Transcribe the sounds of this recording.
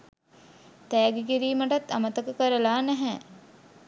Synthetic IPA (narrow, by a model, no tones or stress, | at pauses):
t̪æːɡekiɾiːməʈat̪ːamət̪əkəkəɾəlaːnæɦɛ